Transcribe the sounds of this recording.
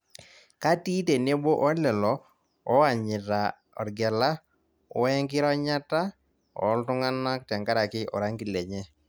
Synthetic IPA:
ka˦ti˦te˨ne˦bo˦ʔɔ˦lɛ˨lɔ˨ | ɔ˦a˨ɲɪ˨ɾa˨ | ɔ̰˨ɾɡɛ˨la˦ | ʊ˦ɛ˦ŋkɪ˦ɾɔ˦ɲa˦ta˦ | ɔ̰˨˦ltʊ˦ŋa˦na˦k̚tɛ˨ŋɡa˦ɾa˨kɪ˦ʔɔ̰˨ɾa˦ŋɡi˨lɛ˨ɲɛ˦

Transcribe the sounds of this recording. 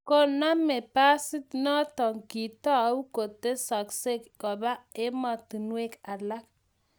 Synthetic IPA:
ko˦na˦me˨pa˦sɪ˦tnɔ˦tɔ˨ŋki˨tɔ˦˨˦u˦ko˨te˦sa˨kse˦kkɔ˨ba˦ɪ˦mɔ˨tu˨nwe˦ka˨la˦k

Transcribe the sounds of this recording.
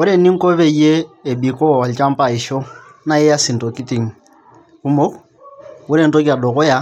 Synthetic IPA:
ɔ˦ɾɛ˦ni˦ŋ̩˦kɔ˦βɛ˦˨ijeː˦˨bi˨kɔ˦˨a˨lt͡ʃa˦m˦pa˨i˨ʃɔ˦ | na˦jɛ˦ja˦si˨n˨tɔ˨ki˦ti˨ŋ˨ | u˦mo˦k | u˦ɾɛ˨n˦tɔ˦k̬i˦a˨ɗɔ˨kɔ˦ja˦

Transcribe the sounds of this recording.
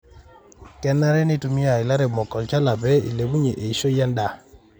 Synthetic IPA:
kɛ˦nːa˦ɾɛ˦ni˦tu˦mi˦a˨ɪ˨la˦ɾɛ˨mɔ˨kɔ˨lt͡ʃa˦la˨bɛ˦ḭ˨le˨bu˦ɲe˨ʔe˨i˨ʃo˦ja˦nda˨

